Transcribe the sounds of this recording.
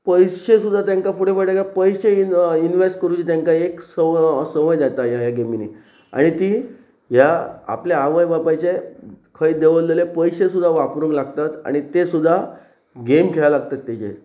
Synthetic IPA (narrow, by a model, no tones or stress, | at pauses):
pəjɕesud̪ʱːat̪jãŋkafuʈefəʈakapəjɕeiinʋesʈkəɾũt͡ɕit̪jãŋkaeksəsəməjd͡zat̪ajajaɡeminḭ | a̰ɽ̃it̪iː | ɦjaa̰pleaʋəjbapat͡ɕekʰəid̪eʋəld̪əlepəjɕes̬ud̪ʱaʋapɾũːŋɡlaɡt̪at̪a̰ɽ̃it̪esud̪ʱːa | ɡemkʰelalaɡ̚t̪at̪ːet͡ɕḛ